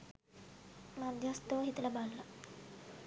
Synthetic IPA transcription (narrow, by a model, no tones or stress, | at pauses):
mad̪ʱjast̪oɦit̪laballa